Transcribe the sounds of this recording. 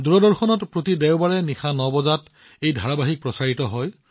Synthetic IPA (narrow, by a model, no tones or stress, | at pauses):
duɹɔdɔɹxɔnɔtpɹotidɛwbaɹɛnixanɔbɔzat | ejdʱaɹabaɦik̚pɹɔsaɹitɔɦɔj